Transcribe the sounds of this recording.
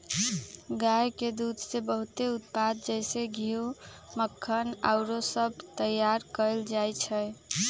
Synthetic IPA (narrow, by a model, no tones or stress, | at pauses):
ɡajked̪ud̪ʱsebəɦut̪eut̪̚pad̪̚d͡ʒəɪseɡʱiuməkʰːəna̰ʊɾosəb̚ʱt̪əjːaɾkəɪld͡ʒajt͡ʃʰəj